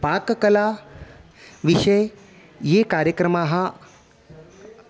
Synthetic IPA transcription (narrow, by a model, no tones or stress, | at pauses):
pakkəla | ʋiʃəj | jekaːɾjəkɾəmaːɦa